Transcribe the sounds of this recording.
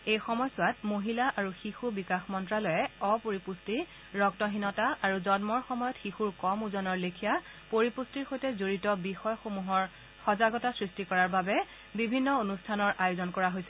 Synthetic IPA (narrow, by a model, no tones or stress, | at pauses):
ejxɔmɔjsʊatmoɦilaʔaɹuxixubikaxmɔntɹalɔjɛɔpoɹipusti | ɹɔktɔɦinɔtaaɹuzɔnmɔɹxɔmɔjɔtxixuɹkɔmuzɔnɔɹlekʰija | poɹipustiɹxojtɛzoɹitɔbixɔjɔxomuɦɔɹ | xɔzaɡɔtasɹistikɔɹaɹbabɛ | bibʱinːɔonustʰanɔɹʔajuzɔnkɔɹaɦojsɛ